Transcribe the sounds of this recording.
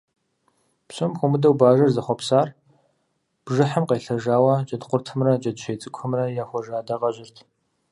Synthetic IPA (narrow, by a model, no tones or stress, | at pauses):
psɔmxʷʊmɨdɐwbaːʒɐrzɐχʷɔpsaːr | b̥ʒɨħəmqeːɬɐʒaːwɐt͡ʃʼɐdqʷʊrtʰɨmrɐt͡ʃʼɐdʃʰejt͡sʼɨkʷʰɐmrɐjaːxʷɔʒaːdɐʁɐʒɪrtʰ